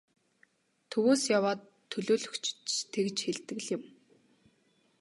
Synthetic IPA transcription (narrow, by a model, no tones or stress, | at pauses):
t̪ʰɵwoːsjawaːt̪ʰːɵɮoːɮɵ̆kt͡ɕʰt͡ɕt̪ʰekt͡ɕxeɮt̪ɘ̆ɣɮjɪ̆m